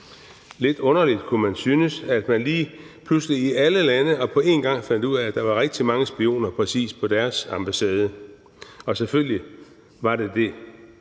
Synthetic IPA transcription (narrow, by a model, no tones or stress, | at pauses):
le̝d̥ɔ̽nɐlid̥kʰumænsyːnəsæd̥mænliː | pʰlusliiʔæləlænəɒ̽pʰɒ̽e̝nɡ̥ɑ̈ŋ̰fæn̰d̥uð̰ˠæːd̥ɑ̈ʋɑ̈ʁɛɡ̥̚d̥imɑ̈ŋəsb̥io̝̰ːnɐpʰʁɛsḭːspʰɒ̽d̥æɐsɑ̈mb̥æsɛːð̞ˠə | ɒ̽sefølli | ʋɑ̈ɾe̝d̥e̝